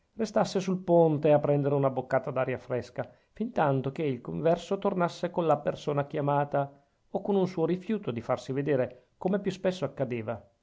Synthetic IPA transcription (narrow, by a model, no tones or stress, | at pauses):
rest̪asːesulpont̪eapːɾɛnd̪eɾeunabokːaːt̪ad̪aɾjafɾɛska | fint̪ant̪ok̟eilkoɱvɛrsot̪ornasːekonlapersoːnakjamaːt̪a | okonunsuːoɾifjuːt̪od̪ifarsived̪eːɾe | komepjuspɛsːoakːad̪eːva